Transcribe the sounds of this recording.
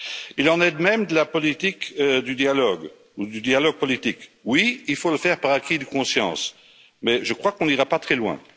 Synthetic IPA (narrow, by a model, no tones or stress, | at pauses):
ilɑ̃nɛd̪mɛmd̪əlapɔlit̪ikd̪yd̪jalɔɡ | ud̪yd̪jalɔɡ̚pɔlit̪ikwiilfoləfɛʁpaʁakʲʰid̪əkɔ̃sjɑ̰̃s | mɛʒəkχwakɔ̃niʁapat̪χɛlwɛ̰̃